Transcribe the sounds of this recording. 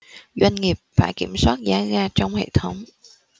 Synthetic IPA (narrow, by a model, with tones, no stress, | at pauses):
zwa˧jŋ̟ŋi˨˩əp̚faː˧˩jki˧˩əmswaː˦˥t̚zaː˨˦ɣaː˧t͡ɕɔ˧wŋ͡mhḛ˧˨t̪ʰə˨˦wŋ͡m